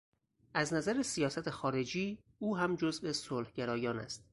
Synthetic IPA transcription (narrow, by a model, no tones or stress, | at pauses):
ʔæznæzæɾesijɒːsæt̪ʰexɒːɾe̞d͡ʒiː | uːɦæmd͡ʒozvesolhɟeɾɒːjɒːnæ̰st̪̚